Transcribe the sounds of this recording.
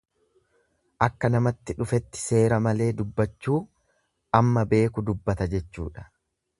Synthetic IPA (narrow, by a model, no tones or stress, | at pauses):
ʔɐkːɐnɐmɐt̪ːɪᶑʊfɛt̪ːɪ̥se̞ːɾɐmɐle̞ːd̪ʊbːɐt͡ʃːuː | ʔɐmːɐbe̞ːkʊd̪ʊbːɐt̪ɐd͡ʒɛt͡ʃːṵːᶑɐ̥